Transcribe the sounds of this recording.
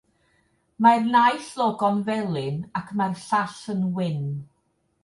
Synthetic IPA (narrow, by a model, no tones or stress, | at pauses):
marnajɬlˠɔɡɔnvɛlˠɪnakʰmarɬaɬənwɪn